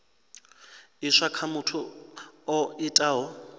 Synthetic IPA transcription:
iʂakʰamʊtʰʊ | ɔitʼaːɦɔ

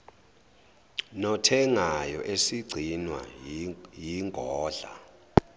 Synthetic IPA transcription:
nɔtʰɛŋajɔʔesiɡ͡ǀʱinwa̰ | jiŋɡʱɔːɮa̰

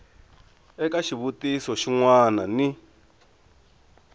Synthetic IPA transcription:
ɛkaʃiβutisɔʃiŋwanani

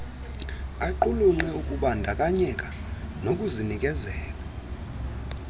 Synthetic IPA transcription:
aǃuluŋ͡ǃŋ͡ǁɛukʼuɓandʱakʼaɲɛkʼa | nokʼuzinikʼɛzɛːla

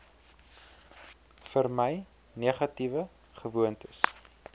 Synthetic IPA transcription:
fərməj | niəχɐtivə | χəvuəntəs

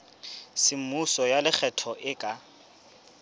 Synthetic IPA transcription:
sɪm̩musɔjalɪk͡xʰɛtʰɔʔɪkʼa

